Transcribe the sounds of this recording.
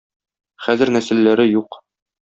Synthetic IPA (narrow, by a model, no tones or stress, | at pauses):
χæzɘ̆ɾnæsɘ̆lːæɾɘjuq